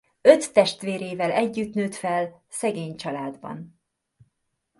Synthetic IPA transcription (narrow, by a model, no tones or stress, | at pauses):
øt̪ːɛʃt̪ʋeːɾeːvɛlɛɟːyt̪nøːt̪fɛl | sɛɡeːɲt͡ʃɒlaːd̪bɒ̰n